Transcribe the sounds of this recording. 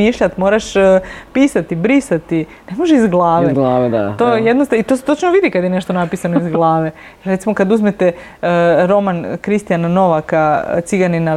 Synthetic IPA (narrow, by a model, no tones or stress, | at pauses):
iːʃʎat̪mo̞ːɾaʃpiːsat̪ibɾisat̪i | nemoʒeizɡlˠaːʋeɡlaːʋea̰t̪oːjed̪nost̪ait̪o̞ːset̪ot͡ʃnoʋid̪ikad̪jene̞ʃt̪onapisanoizɡlˠaːʋe̞ | jɾet̪simo̞kad̪uzmet̪e | ɾo̞mankɾist̪ijanano̞ʋaka̰t̪siɡanina